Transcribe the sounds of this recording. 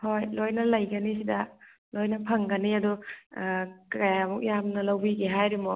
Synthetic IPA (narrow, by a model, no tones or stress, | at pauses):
hojlojnɐlɐjɡɐnis̬idɐ | lojnɐpʰɐŋɡɐniɐdu | kajamuk̚jamnɐlɐwbiɡeɦajɾimɔ